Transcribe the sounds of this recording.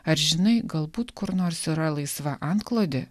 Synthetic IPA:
ɐɾʒʲɪnɐɪɡɐlˠbuːt̪kʊɾnoːɾsiɾɐlˠɐɪsʋɐʔɐnt̪klˠoːd̪ʲɪ

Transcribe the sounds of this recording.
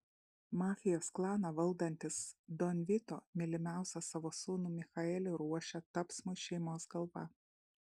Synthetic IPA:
mɑːfʲɪjoːsklˠɑːnɑʋɐlˠd̪ɐnʲt̪ʲɪsd̪ɔnʲʋʲɪt̪oːmʲɪlʲɪmʲæˑʊsʲɐsɐʋoːsuːnuːmʲɪxɐɛlʲɪɾuɔʃʲɛt̪ɐpsmʊʃʲɛɪmoːsɡɐlˠʋɐ

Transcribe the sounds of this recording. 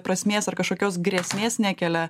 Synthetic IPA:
pɾɐsʲmʲeːsɐrkɐʃkoːkʲoːsɡɾʲɛsʲmʲeːssnʲæːkʲɛlʲɛ

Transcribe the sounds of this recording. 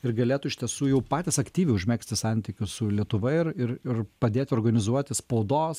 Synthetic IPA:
ɪɾɡɐlʲeːt̪ʊɪʃʲt̪ʲɛsuːjɛʊpɑːt̪ʲɪsɐkt̪ʲiːʋʲɛɪʊʒʲmʲɛksʲt̪ʲɪsɑˑnʲt̪ʲɪkʲʊssʊlʲiɛt̪ʊʋɐɪɪɾɪɾɪrpɐd̪ʲeːt̪ʲɪoːɾɡɐnʲɪzuɔt̪ʲɪspɐʊd̪oːs

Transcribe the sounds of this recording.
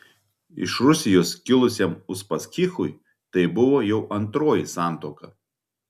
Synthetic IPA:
ɪ̰ʃɾʊsʲɪjoːskʲɪlˠʊsʲɛmʊʃpɐsʲkʲɪxʊj | t̪ɐɪbʊʋoːjɛʊʔɐnt̪ɾoːjisɑˑnt̪oːkɐ

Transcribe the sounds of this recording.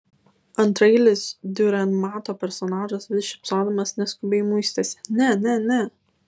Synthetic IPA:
ɐnt̪ɾɐɪlʲɪsd̪ʲʊɾʲɛnmɑːt̪oːpʲɛɾsɔnɑːʒɐsʋʲɪʃʲɪpsɑːd̪ɐmɐsnʲɛskʊbʲejmuɪsʲt̪ʲɛsʲɪ̥nʲɛnʲɛnʲɛ

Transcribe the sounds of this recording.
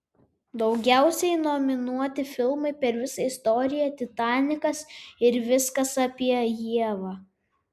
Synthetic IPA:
d̪ɒʊɡʲæˑʊsʲɛɪnɔmʲɪnuɔt̪ʲɪfʲɪlˠmɐɪpʲɛɾʋʲɪsɐɪst̪ɔɾʲɪjɛt̪ʲɪt̪ɑːnʲɪkɐsɪɾʋʲɪskɐsɐpʲiɛjiɛʋɑː

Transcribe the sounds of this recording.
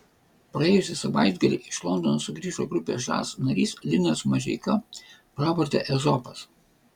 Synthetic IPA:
pɾɐeːjʊsʲɪsɐʋɐˑɪd̪ʲɡɐlʲḭːʔɪʃlˠɔnd̪ɔnosʊɡɾʲiːʒoːɡɾʊpʲḛːʒɑ̰ːsnɐɾʲiːslʲɪnʲɛsmɐʒʲɛ̰ɪkɐpɾɑːʋɔɾʲt̪ʲɛ̰ʔɛzɔpɐs

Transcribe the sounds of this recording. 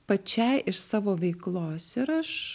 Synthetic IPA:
pɐt͡ʃʲɛɪʔɪʃsɑːʋoːʋʲɛɪklˠoːsɪɾɐʃ

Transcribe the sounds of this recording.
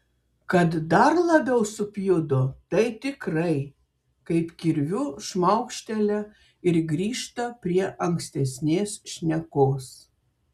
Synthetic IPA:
kɐt̪d̪ɐɾlˠɐbʲɛʊsʊpʲjʊd̪ʊt̪ɐɪt̪ʲɪkɾɐɪ | kɐɪpkʲɪɾʲʋʲʊʃmɐʊkʃʲt̪ʲɛlʲɛ | ɪɾɡɾʲiːʃt̪ɐpʲɾʲiɛʔɐŋksʲt̪ʲɛsʲnʲeːsʃʲnʲɛkoːs

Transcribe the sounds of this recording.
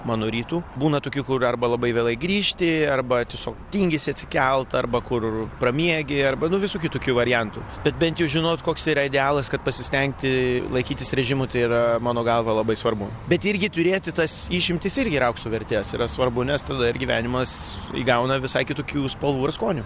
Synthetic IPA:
mɑːnoːɾʲiːt̪uːbuːnɐt̪oːkʲuːkʊrɐrbɐlˠɐbɐɪʋʲeːlˠɐɪɡɾʲiːʃʲt̪ʲɪɐrbɐt̪ʲiɛsʲoːkt̪ʲiŋʲɡʲɪsʲɪɐt̪ʲsʲɪ̥kʲɛlˠt̪ɐrbɐkʊrprɐmʲiɛɡʲɪɐrbɐnʊʋʲɪsuːkʲɪt̪oːkʲuːʋɐɾʲɪjɛnt̪ṵ | b̥ʲɛt̪̚bʲɛnt̪jɛʊʒʲɪnoːt̪koːksiːɾɐɪd̪ʲɛɑːlˠɐskɐt̪pɐsʲɪsʲt̪ʲɛŋk̚t̪ʲɪlˠɐɪkʲiːt̪ʲɪsɾʲɛʒʲɪmʊt̪ɐɪiɾɐmɑːnoːɡɐlˠʋɐlˠɐbɐɪsʋɐrbʊ | bʲɛt̪ɪɾʲɡʲɪt̪ʊɾʲeːt̪ʲɪt̪ɐsiːʃʲɪmʲt̪ʲɪsɪɾʲɡʲɪɾɐʊkt̪sʊʋʲɛɾʲt̪ʲeːsḭɾɐsʋɐrbʊnʲɛst̪ɐd̪ɐɪrɡʲiːʋʲæ̰ːnʲɪmɐs | ḭɡɐʊnɐʋʲɪsɐɪkʲɪt̪uːkʲuːspɐlˠʋuːɪrskoːnʲu

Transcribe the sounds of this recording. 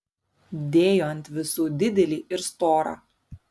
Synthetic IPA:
d̪ʲeːjoːnʲt̪ʲʋʲɪsuːd̪ʲɪd̪ʲɛlʲiːʔɪɾst̪oːɾɑ̰ː

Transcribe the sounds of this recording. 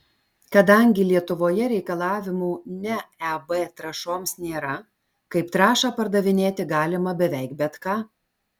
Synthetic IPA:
kɐd̪ɐŋʲɡʲɪlʲiɛt̪ʊʋoːjɛɾʲɛɪkɐlˠɑːʋʲɪmuːnʲɛɛbɛt̪ɾɐʃoːmsnʲeːɾɐ | kɐɪpt̪ɾɑːʃɑːpɐɾd̪ɐʋʲɪnʲeːt̪ʲɪɡɑːlʲɪmɐbʲɛʋʲɛɪkbʲɛt̪kɑː

